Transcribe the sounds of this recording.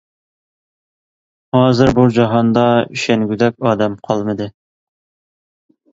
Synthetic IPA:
hɑːzɪɾbud͡ʒɑɦɑnd̪ɑyʃɛnɡʲyd̪ɛkʲɑːd̪ɛmqʰɑlˠmɨd̪ɨ

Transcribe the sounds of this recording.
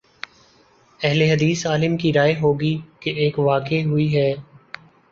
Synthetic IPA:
ɛɦleɦɐd̪iːsaːlɪmkiɾaːeɦoːɡikeʔeːkʋaːkeɦʊiɦɛː

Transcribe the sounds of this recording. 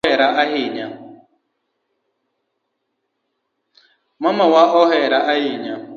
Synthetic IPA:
ɛɾaʔaɦɪɲa | mamawaʔɔɦɛɾaʔahɪɲa

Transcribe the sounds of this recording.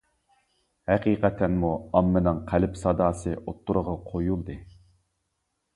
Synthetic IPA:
hæqiːqʰɛt̪ʰːɛnmuɑmːɨnɨŋqʰælɪpsɑd̪ɑːsɨʔot̪ʰːuɾəʁɑqʰojulˠd̪ɨ

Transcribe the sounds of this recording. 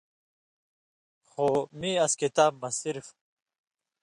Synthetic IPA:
xoːmiːɐskit̪aːb̚mɐsiɾf

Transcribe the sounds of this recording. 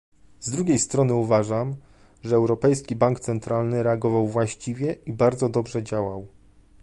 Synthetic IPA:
zd̪ɾuɡʲejst̪ɾɔnɘuvaʐam | ʐɛːwɾɔpɛjskʲibaŋkt̪sɛnt̪ɾalnɘɾɛaɡɔvawvwaɕt͡ɕivʲjɛibaɾd̪zɔd̪ɔbʐɛd͡ʑawaw

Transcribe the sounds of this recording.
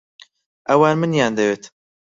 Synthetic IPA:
ʔɐwaːnmɨnjaːnd̪ɐweːt̪

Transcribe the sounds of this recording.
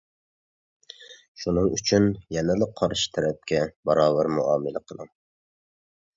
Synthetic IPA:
ʃunɨŋyt͡ʃʰynjɛnɪlˠɪqʰɑɾʃi̥t̪ʰæɾɛp̚kʲɛbɑɾɑːbæɾmuɑːmɨlæqʰəlˠɨ̰ŋ

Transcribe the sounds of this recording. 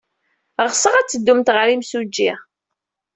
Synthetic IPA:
ʁsəʁæt͡sːəd̪ːumt̪ʁəɾimsud͡ʒːi

